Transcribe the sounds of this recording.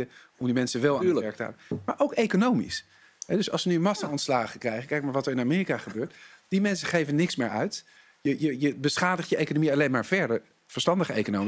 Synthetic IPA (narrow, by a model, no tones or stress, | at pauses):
ə | ɔmdimɛnsəʋɛlˠːləɛɹk̚təa̰ːbəmaːɹʔowkejkonowmḭs | ɦɛdʏsɑ̰lˠsʋənyənmɑsaɔntslaːχəkrɛjχəkɛjkmaːɹʋɑtəɹɪnamɪːrikaχəbøːɹtd̥imɛnsəχejvənɪksmɪːɹœɥt | jəjəjəbəsχaːdəχtjəʔejkonomiɑlejnmaːɹvɛɹdəɹ | vəɹstɑndəχəejkonowm